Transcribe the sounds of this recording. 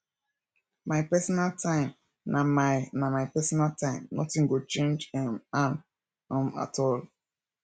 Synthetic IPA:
maɪpɛsɔnaltãɪ̃m | namanamaɪpɛsɔnaltãɪ̃mnɔ̰tĩŋɡot͡ʃẽnd͡ʒɛman | ɔ̃ma̰tɔl

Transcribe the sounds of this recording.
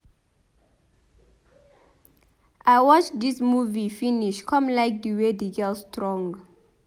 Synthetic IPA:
ʔajwɔt͡ʃdismuvifiniʃkʰɔ̃mlajk̚dəwedeɡɛlstʰɹɔ̃ŋ

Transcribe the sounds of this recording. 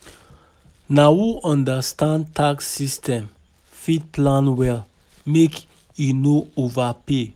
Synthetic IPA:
nawuʔɔ̃ndastãntʰaksistʰɛ̃m | fit̚pʰlãnwɛl | mek | inoovape

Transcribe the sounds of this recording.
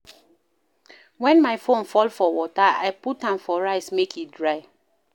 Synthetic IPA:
wɛ̃nmaɪfõnfɔlfɔwɔtaa̰ɪputãmfɔɹaɪsmekʰit̚dɹaɪ

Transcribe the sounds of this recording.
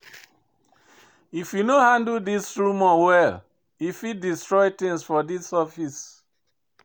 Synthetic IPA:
ifjunohãndldisɹumɔwɛl | ifidistɹɔɪtɪ̃ŋsfɔdisɔfis

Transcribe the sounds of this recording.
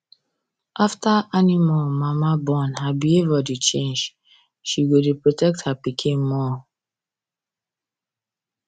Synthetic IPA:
ʔaftaanimamamabɔ̃nɦabievadit͡ʃẽnd͡ʒ | ʃiɡodepɹotɛk̚thapikʰĩnmɔ

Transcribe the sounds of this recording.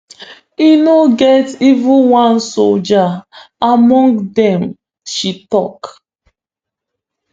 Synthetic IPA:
inoɡɛtivũwãnsold͡ʒaamɔ̃ŋɡdɛ̃m | ʃitɔ̰k

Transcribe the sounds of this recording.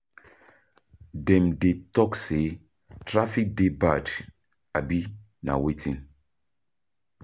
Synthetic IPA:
dɛ̃mdetɔkse | tɹafik̚debad | abi | na̰wetĩn

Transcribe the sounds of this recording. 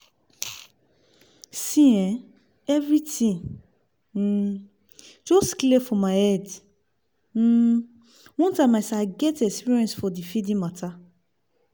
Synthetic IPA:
sĩɛ̃ | ɛvɾitĩŋ̩ | d͡ʒɔstklefɔmaɪɛd | m̩ | wɔ̃ntamajsaɡɛtɛkspiɾiɛ̃nsfɔdifidĩmatʰa

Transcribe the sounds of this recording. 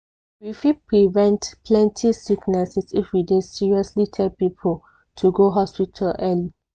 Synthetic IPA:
wifipɹivɛ̃ntpʰlɛ̃ntʰisiknɛsɛsifwidedsiɹiɔslitʰɛlpipʰol | tʰuɡoɦɔspitʰalɛli

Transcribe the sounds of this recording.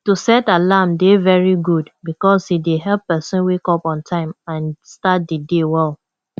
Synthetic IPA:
tusɛtalamdevɛɹiɡudbikɔshideɦɛlpːɛsɔ̃nwekɔpɔ̃ntʰãɪ̃mãnstat̚didewɛlˠ

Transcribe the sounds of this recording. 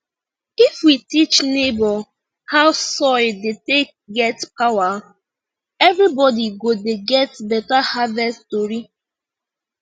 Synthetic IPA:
ifwitit͡ʃnebɔ | haʊsɔɪdetek̚ɡɛtpawa | ɛvɾibɔdiɡodeɡɛtbɛtahavɛstoɾi

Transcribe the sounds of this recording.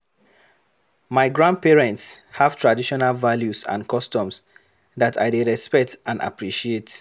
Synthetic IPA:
maɪɡɹãnd̚pɛɹɛ̃ntshav̥tʰɹadiʃɔnalvaljusã̰nkɔstɔ̃ms | ðatʰa̰ɪdeɹɛspɛk̚tãna̰pɹiʃiet

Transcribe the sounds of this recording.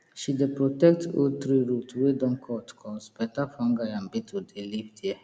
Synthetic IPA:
ʃidepɾotɛkto̰t̪ɾiɾutwedɔ̃ŋkʰɔtkʰɔ̃spɛtafɔ̃ŋɡajãm̩bitʰudeliftjɛ

